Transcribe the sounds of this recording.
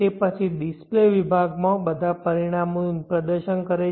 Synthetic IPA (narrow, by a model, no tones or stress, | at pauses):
epət͡ʃʰiɖispleʋibʱaɡmãbəd̪ʱapəɾiɽ̃amopɾəd̪əɾʃənkəɾe